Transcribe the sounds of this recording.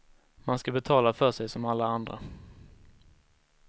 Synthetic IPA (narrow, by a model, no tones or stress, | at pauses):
manskabɛt̪ʰɑːlafœʂɛjsɔmalːaand̪ɾa̰